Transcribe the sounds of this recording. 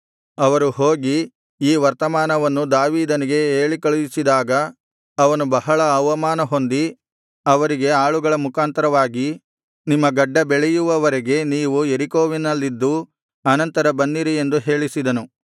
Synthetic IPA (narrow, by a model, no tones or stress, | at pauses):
ɐʋɐɾuɦo̞ːɡi | iːʋɐɾt̪ɐmaːnɐʋɐnːud̪aːʋiːd̪ɐniɡe̞eːɭikɐɭujisid̪aːɡɐː | ʋɐnubɐɦɐɭɐːʋɐmaːnɐɦo̞nd̪i | ɐʋɐɾiɡe̞aːɭuɡɐɭɐmukaːnt̪ɐɾɐʋaːɡi | nimːɐɡɐɖːɐbeɭɛjuʋɐʋɐɾeɡe̞niːʋueɾikoːʋinɐlːid̪ːu | ɐnɐnt̪ɐɾɐbɐnːiɾie̞nd̪uɦe̞ːɭisid̪ɐnu